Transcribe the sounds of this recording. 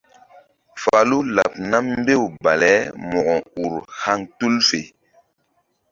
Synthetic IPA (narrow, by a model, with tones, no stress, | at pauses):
fa˨lu˦la˨p̚na˦m˦be˦˨wba˨lɛ˨˦mɔ˨ɡɔ˨u˨ɾha˦ŋtu˦lfe˨